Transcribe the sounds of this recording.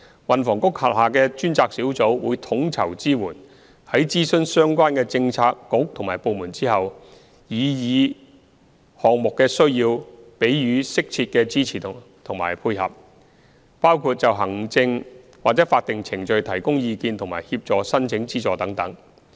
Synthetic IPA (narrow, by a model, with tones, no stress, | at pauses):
wɐ˨nfɔː˨˩ŋkʊ˥k̚hɐ˨t̚haː˨kɛː˧t͡ʃyː˥nt͡saː˧k̚siː˨˥wt͡so˨˥wwuː˨˧jt̪ʰʊ˨˥ŋt͡sʰɐ˨˩wt͡siː˥wuː˨˩n | hɐ˨˥jt͡siː˥sɵ˧nsœː˥ŋkʷaː˥nkɛː˧t͡sɪ˧ŋt͡sʰaː˧kːʊ˨˥k̚t̪ʰʊ˨˩ŋmaː˨˩jpo˨˧wmuː˨˩nt͡siː˥hɐ˨w | jiː˨˧jiː˨˧ | hɔː˨ŋ̚mʊ˨kːɛː˧sɵ˥ɥjiː˧wpe˨˥jjyː˨˧˥sɪ˥k̚t͡sʰiː˧t̚kɛː˧t͡siː˥t͡sʰiː˨˩t̪ʰ | t̪ʰʊ˨˩ŋmaː˨˩jpʰuː˧jhɐ̰˨p̚ | paː˥wkʰuː˧t̚t͡sɐ˨wɦɐ˨˩ŋt͡sɪ˧ŋ | waː˨˩t͡sɛː˨˥faː˧t̚t̪ɪ˨ŋt͡sʰɪ˨˩ŋt͡ʃɵ˨ɥt̪ʰɐ˨˩jkʊ˥ŋjiː˧kiː˧nt̪ʰʊ˨˩ŋma̰ː˨jhiː˧p̚t͡ʃt͡sɔː˨sɐ˥nt͡sʰɪ˨˧˥ŋt͡siː˥t͡sɔː˨t̪ɐ˨˥ŋt̪ɐ˨˥ŋ